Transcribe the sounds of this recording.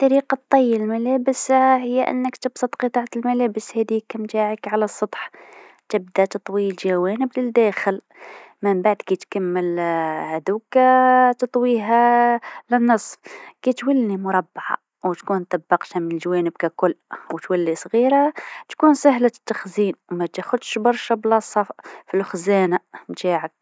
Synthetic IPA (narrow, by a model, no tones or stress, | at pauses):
t̪ːˤɑɾiqɑt̪ˤːɑjːəlmælæbəsahəjːaʔə̰nːəkt̪əbsˤət̪ˤqət̪ˤɑʕt̪əlmælæbəshæd̪ikːæmt̪aʕəkʕalæsˤːɑt̪ˤħ | t̪əb̚d̪æt̪ɨt̪ˤwilʒæwænəbləld̪æxəl | məmbaʕd̪kit̪kæmːəlhæd̪ukt̪t̪ˤwiɦælənːəsˤfkit̪wælːimʊɾˤɑbːʕa̰ | wt̪kunt̪ˤɑbːɑqt̪æmənəlʒawænəb̚kækʊlːwt̪wælːisˤɣiɾat̪kunsəɦlat̪ːɑxzinwmæt̪æxʊd̪ʃbɑɾˤʃablɑsˤːɑffilxzænamt̪aʕək̚